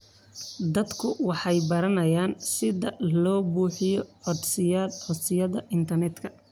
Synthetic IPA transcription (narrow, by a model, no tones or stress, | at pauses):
d̪ɐd̪kʰʊwɑħɑjbɐɾɐnɐjaːnsɪðɐlɔːbuːħɪjɔʕɔd̪sɪjɐd̪ʕɔsɪjɐðɐʔɪnt̪ʰɐrnɛd̪kʰɐ